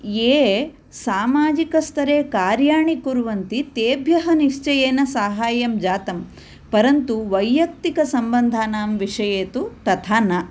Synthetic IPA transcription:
eː | saːmaːd͡ʒikɐst̪ʰɐɾeːkaːɾjaːɳikuɾʋɐnt̪it̪eːbʱjɐɦɐniʂt͡ʃɐjeːnɐsaːɦaːjɐmd͡ʒaːt̪ɐm | pɐɾɐnt̪uʋɐjːɐk̚t̪ikɐsɐmbɐnd̪ʱaːnaːmʋiʂɐjeːt̪ut̪ɐt̪ʰaːna

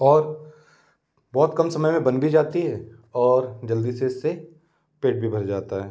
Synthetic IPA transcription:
ɔːɾ | bɔːt̪kɐmsɐməjmẽbɐnbid͡ʒaːt̪iɦɛː | ɔːɾd͡ʒɐld̪iseɪsːe | peːʈ̚bʱibʱɐɾd͡ʒaːt̪aɦɛː

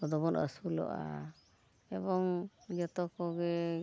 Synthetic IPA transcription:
ɔd̪ɔbɔnə̰sulɔ̰ʔa̰ | ɛbɔŋd͡ʒɔt̪ɔkɔɡɛ

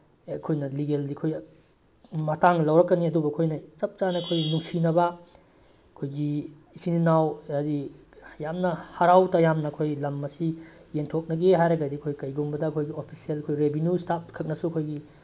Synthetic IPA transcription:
ɐkʰojnɐliɡeldiɐkʰoj | mɐtaŋlɐwɾɐkːɐniɐdubɐɐkʰojnɐt͡ʃɐp̚t͡ʃanɐkʰojnuŋsinɐbɐ | ɐkʰojɡi | isininawadijamnɐhɐɾawtɐjamnɐɐkʰojlɐmːɐsijeŋtʰok̚nɐɡeɦajɾɐɡɐdiɐkʰojkɐjɡumbɐdɐɐkʰojɡiopʰi̥sielkʰojɾebinjustap̚kʰɐk̚nɐsuɐkʰojɡi

